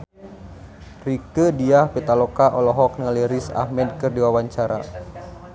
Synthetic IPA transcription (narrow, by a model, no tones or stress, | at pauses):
rikədiahpit̪alɔkaʔɔlɔɦɔk̚nəŋaliɾisa̰hmɛdkɨrdiwawaɲt͡ʃaɾa̰